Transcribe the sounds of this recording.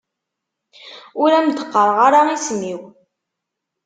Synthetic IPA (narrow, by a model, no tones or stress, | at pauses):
ʊɾæmd̪ə̥qːəɾˤʁaɾaismiw